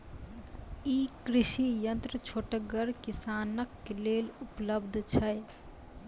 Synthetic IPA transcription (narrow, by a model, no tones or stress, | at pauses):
ikɾiʃijənt̪ɾət͡ʃʰoʈəɡəɾkisanəkːelelupləbd̪ʱt͡ʃʰəj